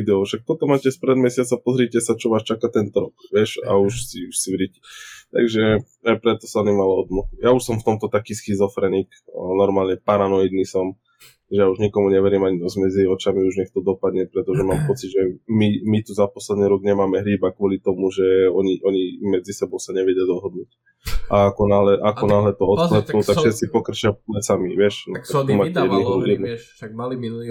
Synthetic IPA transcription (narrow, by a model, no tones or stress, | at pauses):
d̪ɛɔʃak̚t̪ɔt̪ɔmaːcɛspɾɛd̪mɛsɪat͡sapɔzɾiːcɛsat͡ʃɔʋaːʃt͡ʃakat̪ɛnt̪ɔɾɔkʋɪɛʃa̰uʃsiuʃsʋɾicɛ̥t̪a̰ɡʒɛ | ajpɾɛt̪ɔ̥saɔnimalaɔd̪mɔxjauʃsɔmft̪ɔmt̪ɔt̪akiːsxizɔfɾɛnik | nɔɾmaːlɲɛpaɾanɔid̪nisɔm | ʒɛjauʒɲikɔmuɲɛʋɛɾiːmaɲid̪ɔzmɛd͡ziɔt͡ʃamiuʒɲɛxt̪ɔd̪ɔpad̪ɲɛpɾɛt̪ɔʒɛmaːmpɔt͡siɟʒɛmimit̪uzapɔslɛd̪niɾɔɡɲɛmaːmɛɦɾiːbakʋɔlit̪ɔmuʒɛɔɲiʔɔɲimɛd͡zisɛbɔʊsaɲɛʋɛɟad̪ɔɦɔd̪nuːc | aakɔnaɦlɛʔakɔnaɦlɛt̪ɔɔt̪plɛt̪ɔakʃɛsipɔkrt͡ʃɪalɛt͡samiʋɪɛʃnt̪umaːcɛjɛd̪niɦɾujɛd̪n